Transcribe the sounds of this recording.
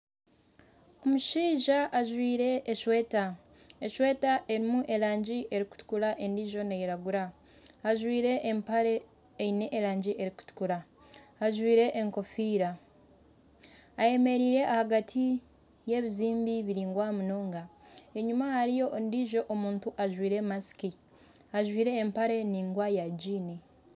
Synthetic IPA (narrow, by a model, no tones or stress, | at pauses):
o̞muʃiːʒaʔːʒwiːɾe̞ːʃweta | eʃwe̞ːtaʔe̞ɾimuʔe̞ɾaːɲɟiʔe̞ɾiku̥tu̥kulaʔe̞ndiʒo̞nejeɾaɡuɾaː | ʒwiːɾe̞ʔːmpaɾe̞ː | ine̞ʔːɾaːɲɟiʔe̞ɾiku̥tu̥kulaː | ʒwiːɾe̞ʔːŋko̞fiːɾa | je̞me̞ɾiːɾe̞ʔahaɡatʰi | je̞ːβiziːmbiβiɾiːŋɡwaːmunoːŋɡae̞ɲumahaɾijo̞ndiʒo̞ʔomuːntuʔaʒwiːɾe̞masi̥ki | aʒwiːɾe̞ːmpaɾe̞niŋɡwajaɟiːni